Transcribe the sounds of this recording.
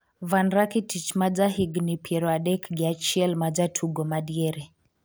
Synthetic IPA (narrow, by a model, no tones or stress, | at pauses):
vanɾakitit͡ʃmad͡ʒaɦiɡnipjɛɾɔaɗɛkɡiat͡ʃiɛlmad͡ʒatʰuɡɔmaɗiɛɾɛ